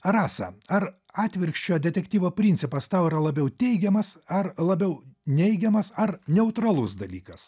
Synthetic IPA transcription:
ɾɑːsɐ̰ɐɾ | ɑːt̪ʲʋʲɪɾʲkʃʲt͡ʃʲoːd̪ʲɛt̪ʲɛkt̪ʲiːʋoːpʲɾʲinʲt̪sʲɪpɐst̪ɑʊiɾɐlˠɐbʲɛʊt̪ʲɛɪɡʲɛmɐsɐrlˠɐbʲɛʊnʲɛɪɡʲɛmɐsɐɾnʲɛʊt̪ɾɐlˠʊsd̪ɐlʲiːkɐs

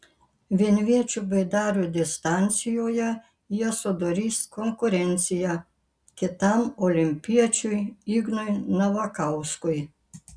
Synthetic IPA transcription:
ʋenʋʲet͡ʃubɛd̪aːɾujd̪ɛst̪ant̪sijɔja | jɛsɔd̪ɔɾist̪kɔŋkʊɾɛnt̪sija | kɛt̪amɔlʲimpijat͡ʃujiɡnɔjnaʋakawskɔj

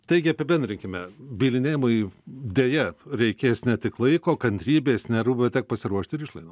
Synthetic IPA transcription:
t̪ɐɪɡʲɪɐpʲɪbʲɛnʲd̪ʲɾʲɪŋʲkʲɪmʲɛbʲiːlʲɪnʲeːjɪmod̪ʲeːjɛɾʲɛɪkʲeːsnʲɛt̪ʲɪklˠɐɪkoːkɐnʲt̪ʲɾʲiːbʲeːsnʲɛɾubʲɛt̪ʲɛk̚pɐsʲɪɾuɔʃʲt̪ʲɪɾɪʃlˠɐɪnoː

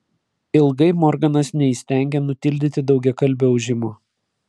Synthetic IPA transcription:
ɪlˠɡɐɪmɔɾɡɐnɐsnʲɛisʲt̪ʲæˑŋʲɡʲɛnʊt̪ʲɪlʲd̪ʲɪt̪ʲɪd̪ɒʊɡʲɛkɐlʲbʲʊɐʊʒʲɪmoː

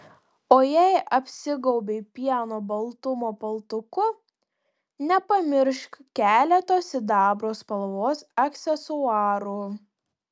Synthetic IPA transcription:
oːjɛɪʔɐpʲsʲɪɡɒʊbʲeɪpʲiɛnoːbɐlˠt̪ʊmoːpɐlˠt̪ʊkʊ | nʲɛpɐmʲɪɾʃkkʲæːlʲɛt̪oːsɪd̪ɑːbɾoːspɐlˠʋoːsɐksʲɛsʊɑːɾuː

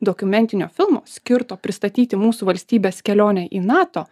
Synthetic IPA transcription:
d̪oːkʊmʲɛnʲt̪ʲɪnʲoːfʲɪlˠmo̰ːsʲkʲɪɾt̪oːpʲɾʲɪst̪ɐt̪ʲiːt̪ʲɪmuːsuːʋɐlʲsʲt̪ʲiːbʲeːskʲɛlʲoːnʲɛʔiːnɑːt̪oː

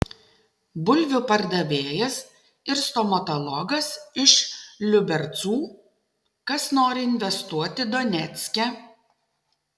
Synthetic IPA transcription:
bʊlʲʋʲʊpɐɾd̪ɐʋʲeːjɛs | ɪɾst̪ɔmɐt̪ɔlˠɔɡɐsɪʃlʲʊbʲɛɾt̪suː | kɐsnoːɾʲɪɪnʲʋʲɛst̪uɔt̪ʲɪd̪ɔnʲɛt̪sʲkʲɛ

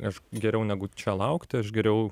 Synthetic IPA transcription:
ɐʃɡʲɛɾʲɛʊnʲæːɡʊt͡ʃʲɛlˠɐʊkt̪ʲɪɐʃɡʲɛɾʲɛʊ

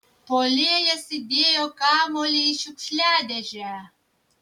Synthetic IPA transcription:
polʲeɛjɛsʲɪd̪ʲeːjokɑːmolʲiiʃʊkʲʃʲlʲæːd̪ʲɛʒʲæ

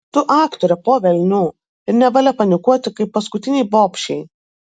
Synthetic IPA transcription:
t̪ʊʔɑːkt̪oːɾʲɛpoːʋʲɛlʲnʲuː | ɪɾnʲɛʋɑlʲɛpɐnʲɪkuɔt̪ʲɪkɐɪpːɐskʊt̪ʲɪnʲɛɪboːpʲʃʲɛɪ

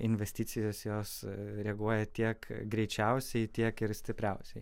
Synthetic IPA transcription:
ɪnʲʋʲɛsʲt̪ʲiːsʲɪjoːsjoːsɾʲɛɡuɔjɛt̪ʲiɛkɡɾʲɛɪt͡ʃʲɛʊsʲɛɪt̪ʲiɛkɪɾsʲt̪ʲɪpʲɾʲɛʊsʲɛɪ

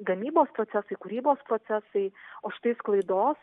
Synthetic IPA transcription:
ɡɐmʲiːboːspɾoːt̪sʲæsɐɪkʊɾʲiːboːspɾoːt̪sʲæsɐɪoːʃʲɪ̥t̪ɐɪsklˠɐɪd̪oːs

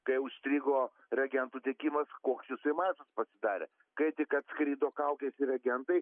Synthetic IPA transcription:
kɐɪʊʃʲsʲt̪ʲɾʲiːɡoː | ɾʲɛɡʲɛnt̪uːt̪ʲeɛkʲiːmɐskoːksjɪsɐɪmɑːsɐspɐsʲɪd̪ɑːɾʲḛ | kɐɪt̪ʲɪkɐt̪skɾʲiːd̪oːkɐʊkʲesʲɪɾʲɛɡʲɛnt̪ɐɪ

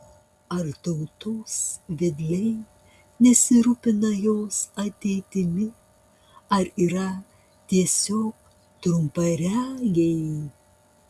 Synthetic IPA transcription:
ɐɾt̪ɐʊt̪oːsʋʲɪd̪ʲlʲɛɪ | nʲɛsʲɪɾupʲɪnɐjoːsɐt̪ʲɛɪt̪ʲɪmʲɪ | ɐɾiːɾɐ | t̪ʲiɛsʲoːk̚ | t̪ɾʊmpɐɾʲæːɡʲɛɪ

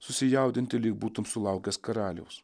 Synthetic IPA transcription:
sʊsʲɪjɛˑʊd̪ʲɪnʲt̪ʲɪlʲiːk̚buːt̪ʊmsʊlˠɑˑʊkʲɛskɐɾɑːlʲɛ̰ʊs

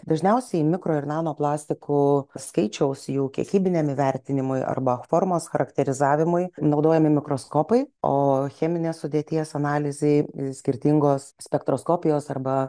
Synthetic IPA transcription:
d̪ɐʒʲnʲɛʊsʲɛɪmʲɪkɾoːɪrnɑːnoːplˠɑːsʲt̪ʲɪkuskɐɪt͡ʃʲɛʊsjuːkʲiɛ̰kʲiːbʲɪnʲeːmɪʋʲɛɾʲt̪ʲɪnʲɪmʊɪʔɐ̰rbɐfoːɾmoːsxɐɾɐkt̪ʲɛɾʲɪzɑːʋʲɪmʊɪnɒʊd̪oːjɛmʲɪmʲɪkɾoːskoːpɐɪoːxʲɛːmʲɪnʲeːssʊd̪ʲeɛt̪ʲiɛsɐnɑːlʲɪzʲɛɪsʲkʲɪɾʲt̪ʲɪŋɡoːssʲpʲɛkt̪ɾoːskoːpʲɪjoːsɐrbɐ

